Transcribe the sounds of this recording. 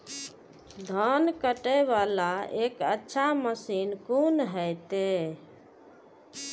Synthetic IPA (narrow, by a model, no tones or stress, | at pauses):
d̪ʱənkəʈəʋalaekə̰tːʃʰaməsinkunɦəjt̪e